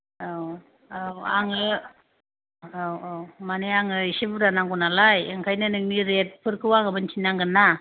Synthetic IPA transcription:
aw | awaŋɯ | awawmaneaŋɯisibuɾanaŋɡunalajeŋkʰajnanɯŋniɾet̚pʰɯɾkʰɯwaŋɯbɯnt͡ʃʰinaŋɡɯnːa

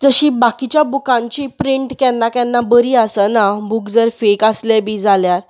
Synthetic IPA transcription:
d͡zəɕĩbakit͡ɕjabukãɲt͡ɕipɾiɳʈkɛnːakjɛ̃nːabəɾiːasənabukd͡zəɾfekaslɛbiːd͡zaljaɾ

